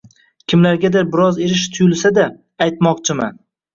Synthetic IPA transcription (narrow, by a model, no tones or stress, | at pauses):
kʲʰɪmlaɾɡʲad̪aɾbɪɾɒze̞ɾɪʃt̪ʰʊjʊlˠsad̪aː | jt̪mɒqt͡ʃʰɪma̰n